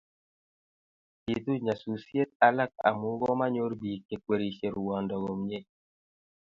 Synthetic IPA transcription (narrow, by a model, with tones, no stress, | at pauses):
ti˨t̪u˦ɲa˨su˨sje˦t̪̚a˨la˦k̚a̰˨mu˦ɡɔ˦ma˦ɲo˦ɾbi˨kːe˨kwe˨ɾi˨ʃe˨ɾu˨wɔ˨ndɔ˨ɡɔ˨mɲe˦˨